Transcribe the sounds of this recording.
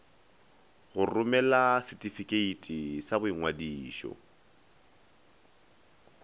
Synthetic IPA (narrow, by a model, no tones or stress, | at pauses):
ɣʊrʊmɛlasitʼifikʼeitʼisabʊiŋwadiːʃɔ̰